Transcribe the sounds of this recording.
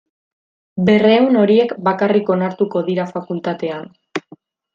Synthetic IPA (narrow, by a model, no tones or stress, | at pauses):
be̞re̞uno̞ɾie̞kbakariko̞naɾt̪uko̞ðiɾafakult̪at̪e̞an